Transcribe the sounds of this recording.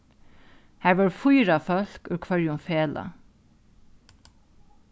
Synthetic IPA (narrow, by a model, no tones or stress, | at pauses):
hæːɹʋɑɹfʊjɾɑfœlkʉːɹkʰʋɑɹjʊmfeːlɑ̰